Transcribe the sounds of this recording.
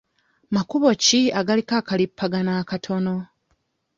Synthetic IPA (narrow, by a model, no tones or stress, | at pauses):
makuβo̞ciaɡalikaːkalipːaɡanaːkatʰo̞no̞